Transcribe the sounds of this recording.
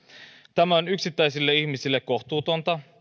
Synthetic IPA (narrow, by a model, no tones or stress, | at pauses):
t̪æmæo̞nyksit̪ːæjsilːe̞içmisilːekːo̞xt̪uːt̪o̞nt̪ɑ